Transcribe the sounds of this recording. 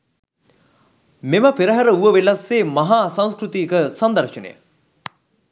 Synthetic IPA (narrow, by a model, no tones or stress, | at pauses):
meməpiɾəɦɐɾəuʋəʋelɐsːeːmɐɦaːsaŋskɾut̪iəkəsɐnd̪ɐɾʃənḛjə̰